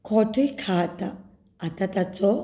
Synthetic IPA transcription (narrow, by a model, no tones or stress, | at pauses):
kʰɔʈʰəjkʰat̪a | at̪at̪at͡sɔ